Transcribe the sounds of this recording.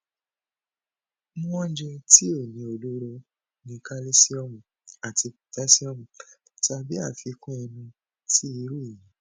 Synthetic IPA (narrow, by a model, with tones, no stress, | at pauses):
mũ˦ɔ̃˦d͡ʒɛ˧ti˦o˦˨nĩ˨˧o˨lu˦ɾo˧ | nĩ˧ka˦le˦si˦ɔ˧mũ˨ | a˨ti˧u˨tɛ˦si˦ɔ˧mũ˨ | ta˧bi˦a˦˨fi˨˧˦kũ˦ɛ˧nũ˧ | ti˦i˨˦ɾu˦˨ĩ˨˦